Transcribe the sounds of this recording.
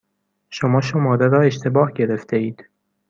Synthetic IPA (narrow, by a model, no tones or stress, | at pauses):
ʃomɒːʃomɒːɾeɾɒːe̞ʃt̪ʰe̞bɒːhɟe̞ɾe̞ft̪ʰeiːd̪̥